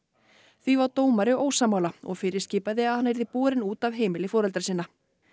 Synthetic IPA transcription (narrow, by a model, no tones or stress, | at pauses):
θvivawt̪oːwmaɾɪoːwsaːmːaːwlaɔ̰ɣfɪːɾɪɾ̥sciːpaðɪaðhanːvejɾðɪpuːɾɪnuːt̪avɦeːjmɪlɪfɔːɾɛlt̪ɾasɪːnːa